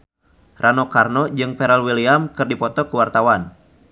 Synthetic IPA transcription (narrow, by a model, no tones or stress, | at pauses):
rʔanɔkarnɔd͡ʒɨŋpɛɾalwiliamkɨrdipɔt̪ɔkuwart̪awan